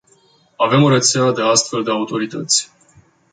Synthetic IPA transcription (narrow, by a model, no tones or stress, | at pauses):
ave̞moɾet̪seead̪e̞ast̪fe̞ld̪e̞aut̪o̞ɾit̪ət̪sʲ